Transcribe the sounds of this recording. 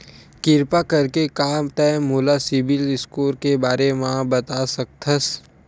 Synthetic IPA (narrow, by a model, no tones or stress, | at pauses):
kɪɾpakɐɾkekaːmt̪ɛmuːlasɪbɪlɪskoːɾkebaːɾemãbɐt̪asɐk̚t̪ʰəs